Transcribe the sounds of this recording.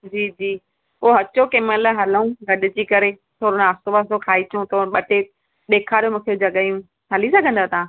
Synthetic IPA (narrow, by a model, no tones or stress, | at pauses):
d͡ʑiːd͡ʑiː | ʊɦɐt͡ɕokeːməlɦɐlũɡɐɗɪd͡ʑiːkɐɾe | t̪ʰoːɾʊnaːsoʋasokʰaːit͡ɕũt̪ʰoːɓɐʈe | ɗ̪eːkʰaːɾijõmũːkʰed͡ʑɐɠajũ | ɦɐlisɐɡʱə̃nd̪aːt̪ã